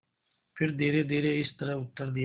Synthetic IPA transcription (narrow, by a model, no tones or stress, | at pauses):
pʰɪɾd̪eːɾed̪eːɾeɪst̪ɐɾɐʊt̪ːəɾd̪ij